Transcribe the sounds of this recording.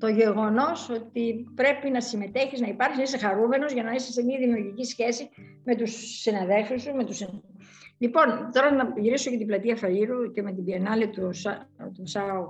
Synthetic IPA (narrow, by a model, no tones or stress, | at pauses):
t̪o̞ʝe̞ɣo̞no̞so̞t̪ipɾe̞pinɐsime̞t̪e̞çiznɐipɐɾksiesɐxɐɾume̞no̞zʝɐnɐisɐsemiɐðimiuɾʝicisçe̞si | me̞t̪usːinɐðe̞lfusume̞t̪usi | lipo̞nt̪o̞ɾɐnɐʝiɾiso̞ce̞t̪iblɐt̪iɐfɐʎiɾuce̞me̞t̪ibienɐlit̪ust̪usɐo